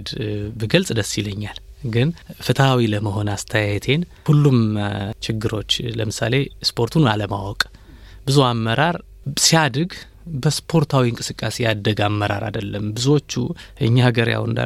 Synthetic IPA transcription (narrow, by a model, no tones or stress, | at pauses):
d̪bɨɡəlsʼd̪əsiləɲːalɡɨnfɨt̪ʰəawiləməɦo̞nast̪ʰəjajt̪ʰe̞nhulːumt͡ʃɪɡːɨɾo̞̰t͡ʃːləmɨsa̰le̞spʰo̞ɾt̪ʰunaləma̰wɔkʼ | bɨzuamːəɾaɾ | sijad̪ɨɡ | bəspʰo̞ɾt̪ʰawiɨŋkʼɨsɨkʼːasejad̪əɡamːəɾa̰ɾa̰d̪əlːəmbɨzuwot͡ʃːuʔɨɲːahəɡəɾja̰wɨ̰nd̪a̰